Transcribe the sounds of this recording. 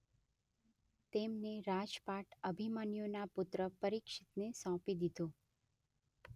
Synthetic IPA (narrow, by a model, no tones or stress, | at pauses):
t̪emneɾad͡ʒpaʈəbʱimanijonapʊt̪ɾəpəɾikʃɪt̪nesɔ̃pid̪id̪o